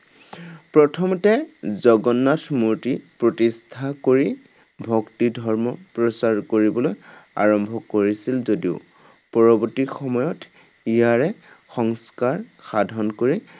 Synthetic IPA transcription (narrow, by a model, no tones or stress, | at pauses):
pɹɔtʰɔmɔtɛzɔɡɔnːatʰmuɹtipɹɔtistʰakoɹi | bʱɔktidʱɔɹmɔpɹɔsaɹkoɹibɔloja̰ɹɔmbʱɔkoɹisilzodiʊ̰ | pɔɹɔbɔtixɔmɔjɔt | ijaɹɛ | xɔŋskaɹxadʱɔnkoɹi